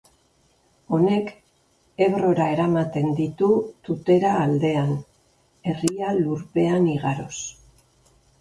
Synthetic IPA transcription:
o̞ne̞k | e̞βɾo̞ɾae̞ɾamat̪e̞nd̪it̪ut̪ut̪e̞ɾaːld̪e̞an | e̞rialuɾpe̞aniɣ̞aɾo̞s

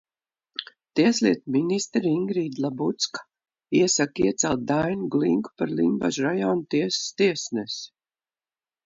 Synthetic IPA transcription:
t̪iɛslʲiɛt̪minist̪ɾiŋɡɾiːd̪lˠabut̪skḁ | iɛsakiɛt̪sɛlˠt̪̚d̪ajnuɡlˠiŋku̥paɾlˠimba̰ʒɾajɔːnt̪iɛsst̪iɛsnɛs

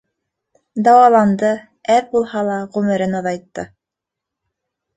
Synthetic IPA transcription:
d̪ɑwɑlˠɑnd̪ɤ | æðbulˠhɑlˠɑʁʉmɘ̆ɾɘnɑ̆ðɑjt̪ːɤ̰

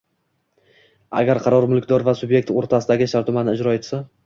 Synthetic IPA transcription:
a̰ɡʲaɾqʰɑɾɒɾmʊlˠkʲd̪ɒɾvasʊbje̞k̚ʲt̪oɾt̪ʰasɪd̪aɡʲɪʃaɾt̪ʊmanɪɪd͡ʒɾɒet̪sa

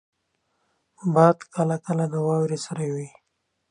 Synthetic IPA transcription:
bɑːd̪kəlakəlad̪əwɑwɾesaɾajwi

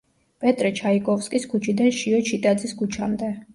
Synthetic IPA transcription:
pʼɛt̪ʼɾɛt͡ʃʰaikʼɔfskʼiskʰut͡ʃʰid̪anʃiɔt͡ʃʰit̪ʼad̪ziskʰut͡ʃʰamd̪ɛ

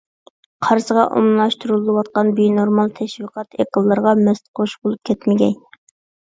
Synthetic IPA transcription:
qʰɑɾsəʁɑʔo̰mlˠɨlˠɑʃt̪uɾulˠːɨwɑt̪̚qɑnbinoɾmɑlˠt̪ʰɛʃwiqʰɑt̪eqəlˠːɨɾʁɑmɛst̪qʰoʃbolˠup̚kʲʰɛt̪mɪɡʲɛ̰n

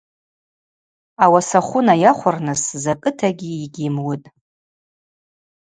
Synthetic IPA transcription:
awasaχʷʊnajaχʷʊrnɨszakʼɨtʰaɡʲiːɡʲɪmwʊtʼ

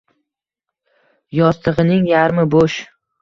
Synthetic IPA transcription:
jɒst̪ʰɨʁɨnɪŋjaɾmɪboʃ

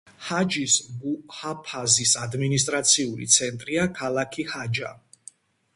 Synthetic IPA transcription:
had͡ʒisɡuhapʰazisad̪minis̬t̪ʼɾat̪sʰiuɾḭt̪sʰɛnt̪ʼɾiakʰalˠakʰihad͡ʒa̰

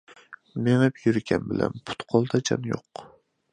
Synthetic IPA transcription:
meŋɪpjyɾɡʲʰɛnbɪlæ̰npʰʊ̥t̪qʰɒlˠd̪ʰad͡ʒʰa̰njoq

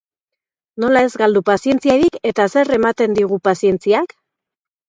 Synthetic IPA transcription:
no̞lae̞zɡald̪upasie̞nt͡siaɾike̞t̪ase̞re̞mat̪e̞nd̪iɣ̞upasie̞nt͡siak

